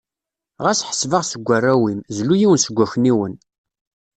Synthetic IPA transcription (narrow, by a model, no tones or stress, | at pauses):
ʁæsħə̥svəʁsəɡʷːærːæwimzlujiwənsəɡʷːæçniwən